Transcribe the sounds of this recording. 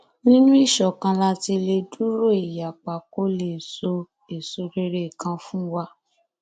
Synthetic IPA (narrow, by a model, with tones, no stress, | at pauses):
nĩ˦nũ˦i˦˨ʃɔ˨kã˧la˧ti˧le˧du˦ɾo˦˨i˨ja˨k͡pa˨ko˦le˨so˧ | e˨so˧ɾe˧ɾe˦˨kã˧fũ˦wa˧˦